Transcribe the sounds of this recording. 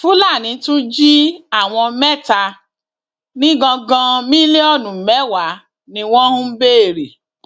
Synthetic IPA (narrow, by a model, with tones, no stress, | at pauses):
fu˦la˦˨nĩ˨˧˦tũ˦d͡ʒi˦a˦˨w̃ɔ̃˧mɛ˦˨ta˧ | nĩ˦ɡɔ̃˧ɡã˧mĩ˦le˦ɔ˦˨nũ˨mɛ˨˦wa˨˦ | nĩ˧w̃ɔ̃˦hũ˦be˦e˨ɾi˨